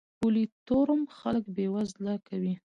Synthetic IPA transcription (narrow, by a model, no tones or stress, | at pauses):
pulit̪oɾəmxaləkbewazlɑkawi